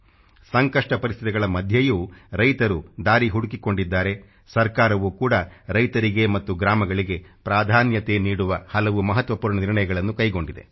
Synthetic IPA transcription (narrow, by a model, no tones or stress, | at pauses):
sɐŋkɐʂʈɐpɐɾist̪ʰit̪iɡɐɭɐmɐd̪ʱjɐjuːɾɐjt̪ɐɾud̪aːɾiɦuɽukikoɳɖid̪ːaːɾe̞ | sɐɾkaːɾɐʋuːkuːɽɐɾɐjt̪ɐɾiɡe̞mɐt̪ːuɡɾaːmɐɡɐɭiɡe̞pɾaːd̪ʱaːnjɐt̪e̞niːɽuʋɐhɐlɐʋumɐɦɐt̪ʋɐpuːɾɳɐniɾɳɐjɐɡɐɭɐnːukɐjɡo̞ɳɖid̪e̞̰